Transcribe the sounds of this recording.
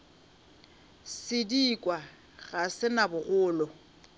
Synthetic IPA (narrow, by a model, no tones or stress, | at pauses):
sɪdiːkʼwa | ɣasɪnabʊɣʊːlɔ